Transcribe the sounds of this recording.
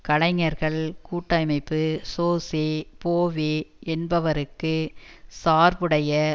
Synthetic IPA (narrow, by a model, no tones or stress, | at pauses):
kɐɭɐɪŋɐɾɣɐɭkuːʈːɐɪmɐɪpːɯsoːseːpoːʋeːɛnbɐʋɐɾɯkːɯsaːɾpɯɽɐjɐ